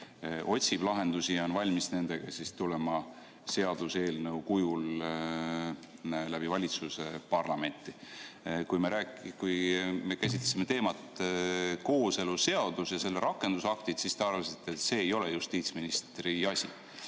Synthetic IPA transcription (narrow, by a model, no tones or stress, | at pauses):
ʔo̞tʲsib̥lɑɦe̞nd̪̥usionvɑlʲmisne̞nd̪̥e̞ɡ̥ɑsist̪ule̞mɑ | se̞ɑd̪̥use̞ːlnəwkujul | læb̥ivɑlʲit̪susepɑrlɑme̞nʲt̪ːˑikujme̞ɾæːkkujme̞kæs̬ʲit̪lesimːe̞t̪e̞ːmɑt̪ | ko̞ːse̞lue̞ɑd̪̥usjɑse̞lːeɾʔɑkːˑe̞nd̪̥usɑkt̪it̪sist̪eɑrvɑsit̪ːˑet̪se̞ːjo̞lejust̪iːt̪sminist̪riɑsʲḭ